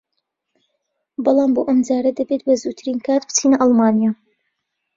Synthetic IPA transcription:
bɑlˠɑːmboːʔɐmd͡ʒaːɾɐd̪ɐbet̪̚bɐzuːt̪ʰɾiːnkʰaːt̪bɨ̥t͡sʰiːnɐʔɑlˠmaːnijaː

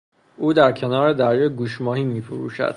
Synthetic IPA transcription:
ʔuːd̪æɾcʰe̞nɒːɾe̞d̪æɾjɒɡuːʃmɒːhiːmiːfoɾṵːʃæ̰d̪̥

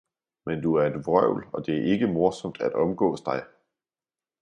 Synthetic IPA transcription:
mend̥uæɐe̝d̥ʋʁœʊ̰lɒ̽d̥e̝æɐʔe̝ɡ̥əmo̝ɐsɒ̽md̥æd̥ɒ̽mɡ̥ɔ̰ːsd̥ɑ̈ɪ

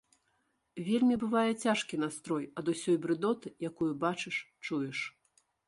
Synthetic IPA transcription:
vʲelʲmʲibɨvajɛt͡sʲaʂkʲin̪ast̪ɾɔjɐd̪usʲɔjbɾɨd̪ɔt̪ɨjakujubat͡ʂɨʂ | t͡ʂujɛʂ

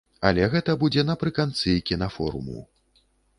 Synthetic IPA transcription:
ɐ̰lʲɛɣɛt̪ɐbud͡zʲɛnɐpɾɨkant̪sɨkʲinɐfɔ̰ɾṵmṵ

